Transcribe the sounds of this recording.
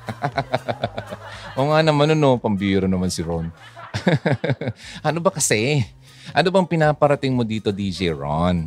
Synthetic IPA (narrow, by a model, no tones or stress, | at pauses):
ʔoːŋanɐmanɐno̞pɐmbiːɾonɐmansɪɾon | ʔɐnobɐkɐsɛ | ʔɐnobɐŋpɪnaːpɐɾɐt̪ɪŋmo̞d̪iːt̪o̞d̪iːd͡ʒɛɹo̰n